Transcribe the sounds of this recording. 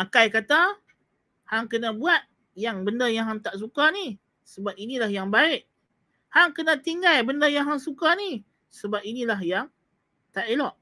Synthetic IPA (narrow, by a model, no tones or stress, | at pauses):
makajkat̪a | haŋkənãbuat̪̚ | jaŋbəndəjaŋɦaŋt̪aʔs̬ukani | səbap̚inilahjaŋbaɪʔ | haŋkənãt̪iŋɡalbəndəjaŋɦaŋsukani | səbap̚inĩlaɦjaŋ | t̪aʔelɔʔ